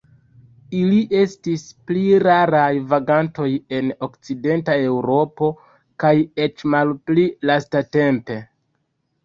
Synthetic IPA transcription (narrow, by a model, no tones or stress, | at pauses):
iliʔe̞stispliɾaɾajvaɡanto̞je̞no̞kt͡side̞ntae̞wɾo̞po̞ | kaje̞t͡ʃmalplilastate̞mpe̞